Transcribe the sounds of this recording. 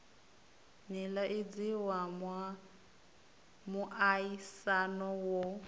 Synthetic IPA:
nilaʔɪd͡ziwamwa | mʊʔaisanɔwo

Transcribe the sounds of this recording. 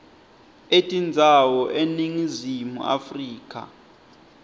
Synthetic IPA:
etʼind͡zʱawɔʔeniŋizimṵʔa̰friːkʼa̰

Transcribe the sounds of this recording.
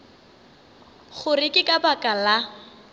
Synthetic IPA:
χʊrɪkʼɪkʼabakʼala

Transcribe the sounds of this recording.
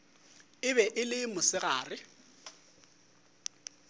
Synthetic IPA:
ɪβɛʔɪlɪmʊsɪɣaːrɪ

